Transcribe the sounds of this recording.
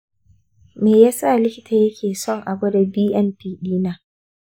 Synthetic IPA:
meː˨jaː˦sa˦˨lɪ˦kʲɪ˦ta˨jɐ˦kʲʰeː˨sɔ˦ŋʔa˨bɐ˦da˨biː˦ʔɛ˦mpiː˦ɗiː˦naː˦

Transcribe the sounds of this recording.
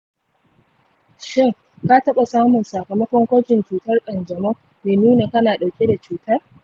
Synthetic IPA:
ʃɪ˦˨ŋ | ka˦tɐ˦ɓa˨saː˦mʊ˨nsaː˨kɐ˨mɐ˦kʷɔ˦ŋkʷɐ˦d͡ʒɪ˨nt͡ʃuː˨tɐ˦rkʼɐ˨nd͡ʒɐ˨mo˦ | meː˨nuː˦na˨kɐ˦naː˨ɗa˨wkʲʼe˦da˨t͡ʃuː˨tɐ˦r

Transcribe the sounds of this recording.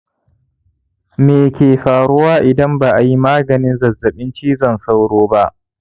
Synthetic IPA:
meː˨kʲeː˨ɸaː˨ɽʊ˦waː˦ʔɪ˨dɐ˦mbaː˨ʔa˨ji˦maː˦ɡɐ˨nɪ˦nzɐ˨zːɐ˨ɓɪ˦nt͡ʃiː˦zɐ˦˨nsa˦wɽoː˦ba˦ʔ

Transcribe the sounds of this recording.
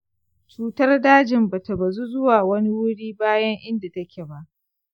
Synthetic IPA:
t͡ʃuː˨tɐ˦rdaː˦d͡ʒɪ˨mba˨ta˨ba˨zu˦zʊ˦waː˨wɐ˦ni˦wʊ˦ɽiː˦baː˦jɐ˦ŋʔɪ˦nda˨tɐ˦kʲe˨ba˦ʔ

